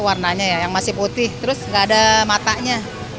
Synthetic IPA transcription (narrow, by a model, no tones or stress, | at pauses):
warnaɲajajaŋmasɪhput̪ɪht̪əɾʊsŋɡaːdamat̪aɲa